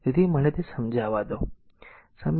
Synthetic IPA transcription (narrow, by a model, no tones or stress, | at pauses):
t̪it̪imənet̪esəmd͡ʒʱaʋad̪o | səm